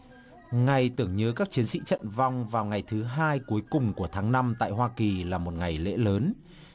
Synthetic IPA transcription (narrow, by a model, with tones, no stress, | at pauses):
ŋa˨˩jt̪ɨ˧˩əŋɲəː˨˦kaː˦˥k̚t͡ɕi˨˦ənsḭ˧˥t͡ɕə̰˧˨nva˧wŋ͡mvaː˨˩wŋa˨˩jt̪ʰɨ˨˦ɦaː˧jku˨˦əjkʊ˨˩ŋ͡mku˧˩ət̪ʰaː˨˦ŋna˧mt̪a̰ː˧˨jɦwaː˧ki˨˩laː˨˩mo˨˩t̚ŋa˨˩jlḛ˧˥ləː˨˦n